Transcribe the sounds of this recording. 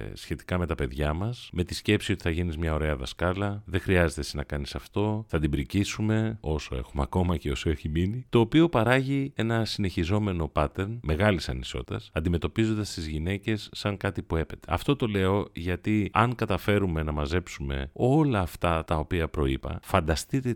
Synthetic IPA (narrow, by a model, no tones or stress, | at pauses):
sçe̞t̪i̥kɐmet̪ɐpe̞ðʝɐmɐsme̞t̪isce̞psio̞t̪i̥θɐʝinizmɲɐo̞ɾe̞ɐðɐskɐlɐðexɾiɐze̞t̪esnɐkɐnisɐft̪o̞θɐd̪ibɾicisume̞o̞so̞̰e̞̰xumeɐko̞mɐce̞o̞so̞eçiminit̪o̞ːpio̞pɐɾɐʝie̞nɐsine̞çizo̞me̞no̞pɐt̪e̞ɾnme̞ɣɐlisɐniso̞̰t̪it̪ɐsɐnd̪ime̞t̪o̞pizo̞nd̪ɐst̪izʝine̞ce̞sːɐŋkɐt̪ipue̞pe̞t̪e̞̰ɐ̰ft̪o̞t̪o̞le̞o̞ʝɐt̪iɐŋkɐt̪ɐfe̞ɾume̞nɐmɐze̞psume̞̰o̞lɐːft̪ɐt̪ɐo̞piɐpɾo̞ipɐ̰fɐnd̪ɐst̪it̪e